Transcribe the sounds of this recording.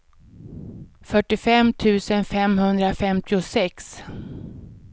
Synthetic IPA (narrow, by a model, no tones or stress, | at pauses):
fœʈːɪfɛmt̪ʰʉ̟ːsənfɛmhɵnd̪ɾafɛmt̪ʰɪʊsɛks